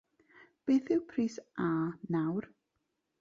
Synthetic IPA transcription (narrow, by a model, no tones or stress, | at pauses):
b̥eːθɪwpʰriːsanawr